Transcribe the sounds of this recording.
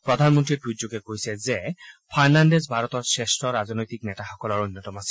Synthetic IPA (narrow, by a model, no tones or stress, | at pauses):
pɹɔdʱanmɔntɹiɹbɹudukɛkojsɛzɛpʰaɹnandezbʱaɹɔtɔɹsestɹɔɹaznojtiknɛtaxɔkɔlɔɹonːɔtɔmasɛ̥